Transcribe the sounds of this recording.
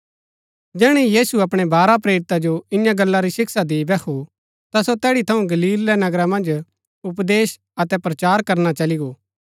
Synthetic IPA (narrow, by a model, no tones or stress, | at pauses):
d͡ʒɛːɽ̃ijiːsuɐpɽ̃ebaːɾapɾeːɾɪt̪ad͡ʒoɪ̃jãɡɐlːaɾisɪksad̪eibɛkʰu | t̪asot̪ɛːɽit̪ʰɐũɡɐliːlːɛnɐɡɾamɐ̃nd͡ʒ | ʊp̬d̪eːs | ɐt̪ɛpɾɐt͡ʃaːɾkɐɾnat͡ʃɐliɡoː